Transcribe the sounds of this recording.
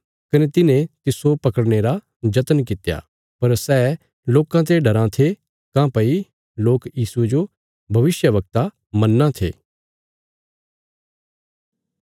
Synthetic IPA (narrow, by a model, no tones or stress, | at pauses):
kɐnet̪ɪnẽt̪ɪsopɐkəɽneɾa | d͡ʒɐt̪ənk̬ɪt̪ja̰ | pɐɾsɛː | loːkãt̪̬eɖʱɐɾãt̪ʰe | kãpɐi | loːkjiːsued͡ʒo | bʱɐʋɪsjəʋɐk̚t̪a | mɐnːãt̪ʰḛː